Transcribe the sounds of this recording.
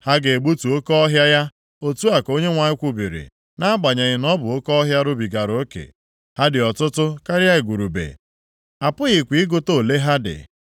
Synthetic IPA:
ha˦ɡe˨e˨ɡ͡bu˦tu˨o˦kɔ˦ɔ˦ɦja˦ja˦ | o˦tu˦a˨ko˦ɲe˦ŋʷa˨ɲɪ˦kʷu˦bi˨ɾḭ˨ | na˦a˦ɡ͡ba˨ɲa˨ɣɪ˨nɔ˦bʊ˨o˦kɔ˦ɦja˦ɾʊ˦bi˨ɡa˨ɾo˨˦kḛ˨ | ha˦dɪ˨ɔ˨tʊ˦tʊ˦ka˦ɾja˦ɪ˨ɡʷu˨ɾu˨bḛ˨ | a˨pʊ˦ɣɪ˨kʷi˨i˦ɡo˦to˦˨le˦ɦa˦dɪ̰˨

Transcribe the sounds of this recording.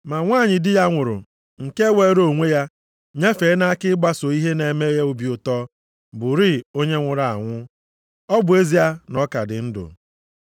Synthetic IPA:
ma˨ŋʷaː˦˨ɲɪ˨dɪ˦ja˦ŋʷʊ˨ɾʊ̰˨ | ŋ̩˨ke˦we˨˦ɾo˦˨ŋʷe˦ja˦ | ɲe˦fe˨˦na˦a˦kɪ˦ɡ͡ba˦so˨i˦ɦe˦ne˨me˦je˦u˨bi˨ʊ˨tɔː˦ | bʊ˨ɾɪ˦˨o˦ɲe˦ŋʷʊ˨ɾa˨a˨ŋʷʊ˦ | ɔ˦bʊ˨e˦zi˨ja˦nɔ˦ka˨dɪ˨n̩˦dʊ̰˨

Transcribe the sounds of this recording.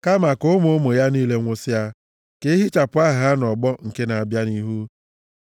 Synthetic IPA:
ka˦ma˨kʊ˦mo˨˦mʊ˨ja˦niː˦le˦ŋʷʊ˦sɪ˦a˦ | ke˦ɦi˦t͡ʃa˨pʊ˨˦a˦ɦa˦nɔ˨ɡ͡bɔ˦ŋ̩˨ke˦na˨a˨bja˦ni˦ɦu˦

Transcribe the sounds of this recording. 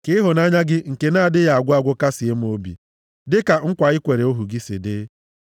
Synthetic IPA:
kɪ˦ɦʊ˨na˦ɲa˦ɡɪ˦ŋ̩˨ke˨naː˦˨dɪ˦ja˨a˨ɡʷʊ˦a˦ɡʷʊ˦ka˦sɪ˨e˦m̩˦o˦bḭ˨ | dɪ˦ka˨ŋ̩˦kʷa˨ɪ˦kʷe˨ɾe˨o˦ɦu˨ɡi˦sɪ̰˨dɪ˦

